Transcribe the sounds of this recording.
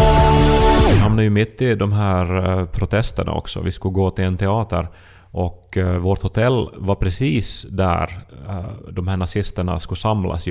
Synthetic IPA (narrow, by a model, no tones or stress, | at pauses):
vɪɦamnajɵmɪt̪ːɪd̪ɔmɦæːɾpʰɾʊt̪ʰɛst̪əɳa̰ɔ̰ksɔ̰vɪskɵɡoːt̪ɪlɛnt̪ʰɛɑːt̪ə̰ɾ | ʔɔkvoːʈ̪hʊt̪ʰɛlːvaɾpʰɾɛsiːsd̪æ̰ɾ | d̪ɔmhæːɳasɪst̪əɳa̰skɵsamlʔa̰s